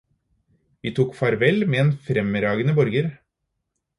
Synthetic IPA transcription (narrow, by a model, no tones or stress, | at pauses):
ʋiːt̪ʰuːkfɑɾʋɛlmeːeːnfɾɛməɾɑːɡənəbɔɾɡəɾ